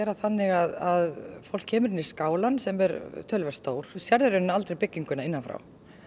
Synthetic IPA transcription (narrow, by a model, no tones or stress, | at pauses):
ɛːɾaθanːɪɣaðaðfowlkʰːɛːmʏɾɪnɪ̥skaːwlansɛmɛɾt̪ʰœlvɛ̥st̪oːwɾ̥sjaɾðʏɾʏnnːaalt̪ɾejpɪcːiŋkʏnaɪnːanfɾa̰w